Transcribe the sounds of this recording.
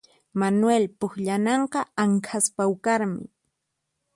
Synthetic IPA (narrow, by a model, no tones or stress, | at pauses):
manwelpʊkʎanɑɴqɑaŋkʰaspawkaɾmɪ̰